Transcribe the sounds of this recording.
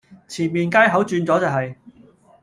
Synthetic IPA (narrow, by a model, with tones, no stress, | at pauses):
t͡sʰiː˨˩nmiː˨˩nkaː˥jɦɐ˨˥wt͡ʃyː˧nt͡sɔː˨˥t͡sɐ˨wɦɐ˨j